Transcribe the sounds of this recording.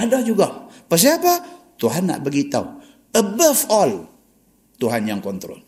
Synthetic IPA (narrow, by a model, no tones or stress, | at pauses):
adɔhd͡ʒuɡapəs̬iapa | t̪uɦanːa̰ʔbəɡit̪a̰w | əbəfɔl | t̪uɦanjaŋkɔnt̪ɾɔ̰l